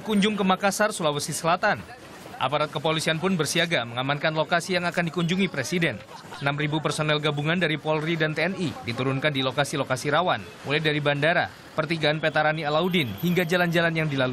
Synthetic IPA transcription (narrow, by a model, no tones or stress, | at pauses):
kuɲd͡ʒʊŋkəmakasarsulawəsisəlat̪an | ʔa̰paɾat̪̚kəpolisianpʊnbərsiaɡaməŋamankanlokasijaŋakandikuɲd͡ʒuŋipɾesidɛn | ənamribupərsonɛlɡabuŋandaɾipɔlridant̪eɛnidit̪uɾʊnkandilokasilokasiɾawan | mulajdaɾibandaɾa̰ | pərt̪iɡaːnpet̪aɾanialaudɪnhiŋɡad͡ʒaland͡ʒalanjaŋdilalu